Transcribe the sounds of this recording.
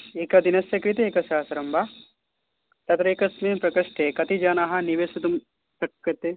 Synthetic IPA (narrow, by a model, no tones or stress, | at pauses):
eːkɐd̪inɐsjɐkɾit̪eːkɐsaːsɐɾɐmba | t̪ɐt̪ɾɐeːkɐsmeːmpɾɐkɐʂʈekɐt̪id͡ʒaːnaɦɐniʋesɐt̪um | sɐkːɐt̪e